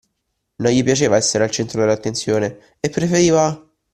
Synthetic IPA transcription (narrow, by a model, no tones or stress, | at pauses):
nojipjat͡ʃeːvaɛsːeɾealt͡ʃɛnt̪ɾod̪elːat̪ːent̪sjoːne | epːɾefeɾiːva